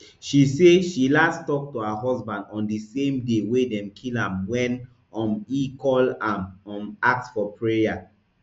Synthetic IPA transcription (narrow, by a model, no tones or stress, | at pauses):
ʃiseʃilastɔk̚tuaɦɔsbãndɔ̃ndisẽmdewedɛ̃mkʰilãmwɛ̃n | ɔ̃mikɔlãmɔ̃mak̚tfɔpʰɹeja